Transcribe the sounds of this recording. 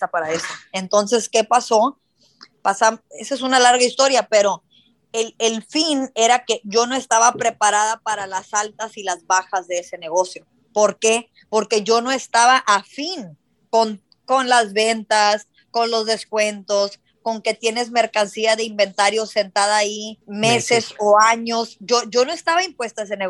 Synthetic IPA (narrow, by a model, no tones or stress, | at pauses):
apaɾaesoe̞nt̪o̞nse̞ske̞paso̞ | pasamesoes̬unalaɾɣaist̪o̞ɾjape̞ɾo̞ | elelfine̞ɾake̞ʝo̞no̞e̞st̪aβapɾe̞paɾaðapaɾalasalt̪asilazβaxazðe̞ese̞ne̞ɣo̞sjo̞ | po̞ɾke̞ | po̞ɾke̞ʝo̞no̞e̞st̪aβaʔafin | koŋ | ko̞nlazβe̞nt̪as | ko̞nlo̞zðe̞skwe̞nt̪o̞s | ko̞ŋke̞t̪je̞ne̞zme̞ɾkansiaðeimbe̞nt̪aɾjo̞se̞nt̪að̞aːimese̞so̞aɲo̞sɟ͡ʝoʝo̞no̞e̞st̪aβaimpwe̞st̪aes̬ene